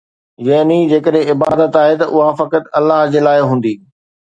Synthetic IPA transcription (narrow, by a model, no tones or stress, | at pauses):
jɐɦnid͡ʑeːkəɗɦẽɪba̰ːd̪ət̪aːɦet̪ɐʔʊɦafɐkət̪ɐlːaɦd͡ʑeːlaːeɦũːn̆d̪iː